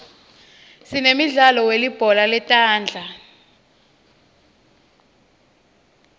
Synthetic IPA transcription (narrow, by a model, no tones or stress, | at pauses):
sinemiɮalɔwelib̥ʱɔlalɛtʼaːnd͡ɮʱa